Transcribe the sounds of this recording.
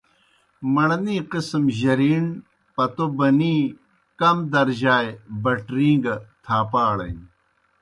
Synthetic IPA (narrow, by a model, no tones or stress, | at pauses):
mɐɳɐniːqismʑɐɾiːn | pɐt̪obɐniː | kɐmd̪ɐɾʑaːjebɐʈɾĩːŋɡɐt̪ʰaːpaːɭɐ̰n